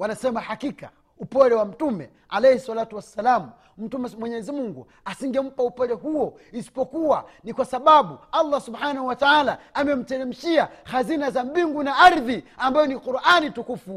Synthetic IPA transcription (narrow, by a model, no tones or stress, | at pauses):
wanasɛmahakika | upɔɾɛwam̩tumɛ | alɛjhɛswalatuwasːalamu | m̩tumɛmwɛɲɛzimuŋɡu | asiŋɡɛm̩paupɔɾɛɦuɔ | isi̥pɔkuwanikwasaɓaɓualˠːasubħanahuwataalaamɛm̩tɛɾɛm̩ʃiahazinazam̩biŋɡunaaɾðiambajɔniquɾʔanitukufu